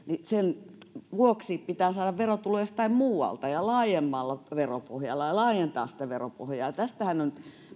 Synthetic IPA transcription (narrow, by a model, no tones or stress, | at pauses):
nisenʋuoksippit̪æːsɑːɾɑʋʋerot̪uleˑst̪ɑimmuːwɑ̰lt̪ɑjɑlɑːjemːɑlːɑʋeropohjɑ̰lːɑjɑlɑːjent̪ɑ̰ːssi̥t̪æʋeropo̰hjɑːjɑt̪æst̪æhænːon